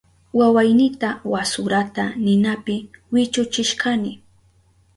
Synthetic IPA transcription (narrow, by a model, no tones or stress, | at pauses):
wawajnɪt̪awasʊɾat̪anɪnapɪwɪt͡ʃʊt͡ʃɪʃkanɪ